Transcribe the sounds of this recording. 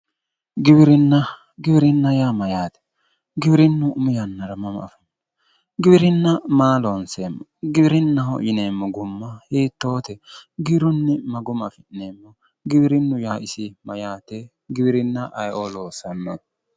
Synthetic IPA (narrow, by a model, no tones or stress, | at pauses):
ɡɪbɪɾɪnːɐ | ɡɪbɪɾɪnːɐjaːmɐjaːt̪ɛ̥ | ɡɪbɪɾɪnːʊʊmɪjɐnːɐɾɐmɐmɐ̰fɪnː | ɡɪbɪɾɪnːɐmaːloːnseːmːɔɡɪbɪɾɪnːɐhɔ̰jɪneːmːɔɡʊmːɐjeːt̪ːo̞ːt̪ɛɡɪbɾʊnːɪmɐɡʊmɐfɪnːeːmːɔ | ɡɪbɪɾɪnːʊjaːɪsɪmɐjaːt̪ɛ | ɡɪbɪɾɪnːɐʔɐjʔoloːsɐnːo